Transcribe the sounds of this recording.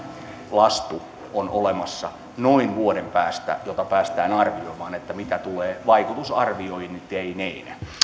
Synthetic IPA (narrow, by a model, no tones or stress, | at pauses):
lɑst̪u | onʔolemɑsːɑ | noinʋuodempæːst̪æ̰jot̪ɑpæːst̪æːnɑrʋioimɑːnet̪ːæmit̪æt̪uleːʋɑikut̪usɑrʋioihint̪eineinæ̰